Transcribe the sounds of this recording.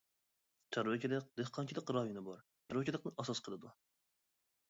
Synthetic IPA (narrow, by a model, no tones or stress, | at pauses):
t͡ʃʰɑɾwɛkʲʰed̪ɛq̚d̪ehqʰɑnkʰʲid̪ɛqɾɑjunɪbɑɾ | t͡ʃʰɑɾwɛkʲed̪ɛqnɨɑsɑsqʰəlˠɨd̪u